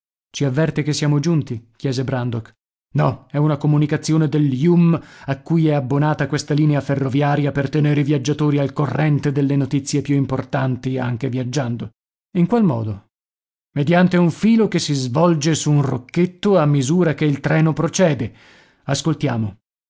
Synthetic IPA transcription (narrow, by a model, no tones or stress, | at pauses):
t͡ʃiavːɛrt̪ekesːjaːmod͡ʒunt̪ik̟jɛːzebɾand̪ok | nɔɛunakomunikat̪sːjoːned̪eljumakːujɛabːonaːt̪akwest̪aliːneaferːovjaːɾjapert̪eneːɾivjad͡ʒːat̪oːɾialkorːɛnt̪ed̪elːenot̪it̪sːjepjuimport̪ant̪ia̰ŋk̟evjad͡ʒːand̪o | iŋkwalmɔ̰ːd̪o | med̪jant̪euɱfiːlokesːizvɔld͡ʒesuːnrokːet̪ːoamːizuːɾakeilt̪ɾɛːnopɾot͡ʃɛːd̪e | askolt̪jaːmo